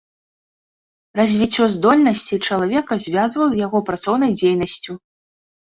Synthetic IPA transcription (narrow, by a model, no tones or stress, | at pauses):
rɐzʲvʲit͡sʲːɔzd̪ɔlʲnɐsʲt͡sʲit͡ʂɐlˠavʲɛkɐzʲvʲazvɐwzʲjaɣɔpɾat̪sɔwn̪ɐjd͡zʲejnɐsʲt͡sʲu